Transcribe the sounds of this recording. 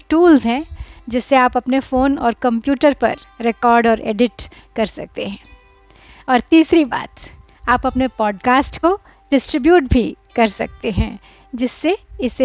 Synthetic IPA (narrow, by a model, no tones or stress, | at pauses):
ʈuːlzɦɛ̃d͡ʒɪsːeaːpɐpnefoːnɔ̰ːɾkɐ̃mpjuːʈəɾpɐ̰ɾɾekɔːɾɖɔːɾḛːɖɪʈ | kɐɾsɐ̰k̚t̪eɦɛ̃ː | ɔːɾt̪iːsɾiba̰ːt̪ | aːpɐpnepɔːɖkaːsʈko | ɖɪsʈɾɪbjuːʈ̚bʱikɐɾsɐ̰k̚t̪eɦɛ̃ | d͡ʒɪsːeɪse